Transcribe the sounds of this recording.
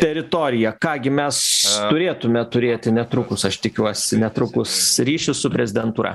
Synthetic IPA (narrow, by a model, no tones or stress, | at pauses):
t̪ʲɛɾʲɪt̪oːɾʲɪjɛkɑːɡʲɪmʲɛst̪ʊɾʲeːt̪ʊmʲɛt̪ʊɾʲeːt̪ʲɪnʲɛt̪ɾʊkʊsɐʃt̪ʲɪkʲuɔsʲɪnʲɛt̪ɾʊkʊsɾʲiːʃʲɪsʊpʲɾʲɛzʲɪd̪ʲɛnt̪uːɾɐ̰